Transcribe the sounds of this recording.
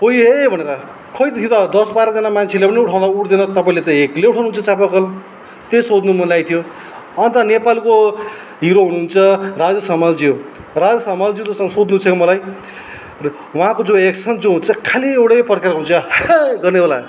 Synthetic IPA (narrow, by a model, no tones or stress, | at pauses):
pʌjebʱʌneɾʌ | kʰʌjt̪t̪ʰijot̪ʌd̪ʌsbaɾʌd͡zʌnamant͡sʰelepʌniuʈʰaw̃d̪auʈʰd̪enʌt̪ʌpaĩlet̪ʌekleuʈʰawnuɦunt͡sʰʌt͡sap̬ʌkʌl | t̪esod̪numʌlajt̪ʰijo | ʌnt̪ʌnepalko | ɦiɾoɦunuɦːunt͡sʰʌrad͡zʌsʌmald͡zio | rad͡zʌsʌmald͡ziwt̪ʌsʌŋʌsod̪nut͡sʰʌkemʌlaj | wʌɦãkod͡zõeksʌnd͡zõɦunt͡sʰʌkʰaliewɽepʌrkarʌrunut͡sʰʌɡʌrneola